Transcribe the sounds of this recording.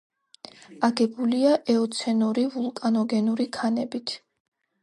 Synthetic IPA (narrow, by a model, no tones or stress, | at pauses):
aɡɛbuliaʔɛɔt̪sʰɛnuɾivulˠkʼanɔɡɛnuɾikʰanɛbit̪ʰ